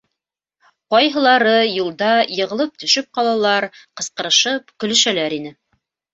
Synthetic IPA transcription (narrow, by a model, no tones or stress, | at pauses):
qɑjɦɤ̆lˠɑɾɤjulˠd̪ɑjɤ̆ʁɤ̆lˠɤp̚t̪ɵ̆ʃɵp̚qɑlˠɑlˠɑɾqɤ̆sqɤ̆ɾɤ̆ʃɤp̚kɵ̆lɵ̆ʃælæɾinɘ